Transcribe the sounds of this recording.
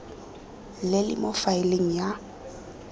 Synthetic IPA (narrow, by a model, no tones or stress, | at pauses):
lɪlɪ̰mofaɪleŋ̩ja